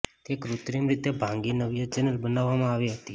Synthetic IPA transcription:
t̪ekɾut̪ɾimɾit̪ebʱãŋɡinəʋjəd͡ʒənəlbənaʋːamãaʋiɦət̪i

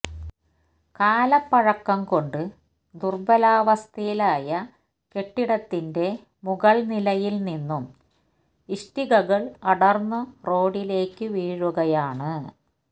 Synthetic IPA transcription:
kaːlɐpːɐɻɐkːɐmko̞ɳɖɨ | d̪urbɐlaːʋɐst̪ʰɐjilaːjɐ | ke̞ʈːiɽɐt̪ːinde̞ | muɣɐɭnilɐjilninːum | iʂʈiɣɐɣɐɭɐɽɐrnːɨro̞ːɽile̞ːkːɨʋiːɻuɣɐjaːɳɨ

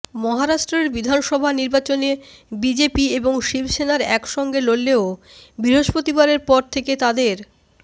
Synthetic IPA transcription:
mɔɦaɾaʃʈɾeɾbid̪ʱanʃɔbʱaniɾbat͡ɕonebid͡ʑepieboŋʃibʃenaɾɛkʃɔŋɡelolːeo | bɾiɦoʃpot̪ibaɾeɾpɔɾt̪ʰeket̪ad̪eɾ

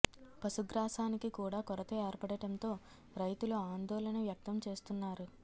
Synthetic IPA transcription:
pɐsuɡɾaːsaːnikikuːɽaːkɔɾɐt̪ɐɛːɾpɐɽɐʈɐnt̪o̞ː | ɾɐjt̪uluaːnd̪ɔːlɐnɐʋjɐk̚t̪ɐmt͡ʃe̞ːst̪unːaːɾu

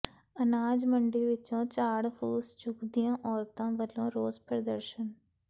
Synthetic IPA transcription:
ənaːd͡ʒmə̃ɳɖiʋɪt͡ʃõt͡ʃaːɽfʰuːst͡ʃʊkd̪ijãːʔɔːɾt̪ãːʋəlõɾoːzpɾəd̪əɾʃən

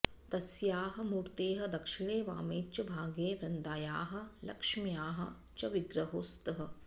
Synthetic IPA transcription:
t̪ɐsjaːɦɐ̆muːɾt̪eːɦɐd̪ɐkʂiɳ̃eːʋa̰ːmeːt͡ʃɐbʱaːɡeːʋɾɐnd̪aːjaːɦɐ̆lɐ̰kʂmjaːɦɐ̰̆ | t͡ʃɐʋiɡɾɐɦoːst̪ɐɦɐ̆

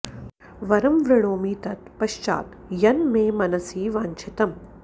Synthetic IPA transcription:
ʋɐɾɐmʋɾɐɽoːmiːt̪ɐt̪pɐʃt͡ʃa̰ːt̪ | jɐnmeːmɐnɐsiːʋaːɲt͡ʃʰɪt̪ɐm

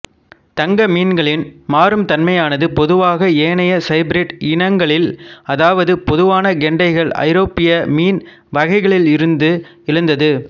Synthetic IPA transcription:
t̪ɐŋɡɐmiːnɡɐɭɪnmaːɾɯmt̪ɐnmɐjaːnɐðɯpɔðɯʋaːɣɐeːnɐjɐsɐɪbɪɾɪʈɪnɐŋɡɐɭɪlɐðaːʋɐðɯpɔðɯʋaːnɐɡɛɳɖɐɪɣɐɭɐ̰ɪɾoːpːɪjɐmiːn | ʋɐɣɐɪɣɐɭɪlɪɾɯnd̪ɯ | ɪɾɯnd̪ɐðɯ

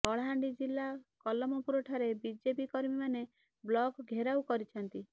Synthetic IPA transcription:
ɔɭɦaɳɖid͡ʒilːakɔlɔmɔpuɾɔʈʰaɾebid͡ʒepikɔɾmimane | blɔɡɡʱeɾaukɔɾit͡ʃʰɔnt̪i

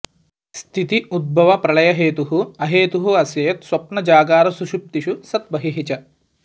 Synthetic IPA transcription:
st̪ʰit̪iud̪̚bʱɐʋɐpɾɐɭɐjɐɦeːt̪uɦuɐɦeːt̪uɦuɐsjɐjɐt̪swɐpnɐd͡ʒaːɡaːɾɐsuʃup̚t̪iʃusɐt̪̚bɐɦiɦit͡ʃɐ

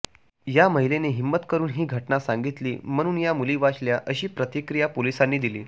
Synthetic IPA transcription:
jaməɦileneɦimːət̪kəɾuːnɦiːɡʱəʈnasãŋɡit̪lḭːm̤əɽ̃uːnjamuliːʋat͡ɕljaʔəɕiːpɾət̪ikɾijapolisanːiːd̪ilḭː

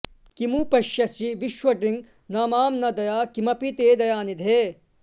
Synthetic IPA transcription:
kimupɐʃjɐsiʋiʃwɐɖiŋ | naːmaːmnɐd̪ɐjaːkimɐpit̪eːd̪ɐjaːnid̪ʱeː

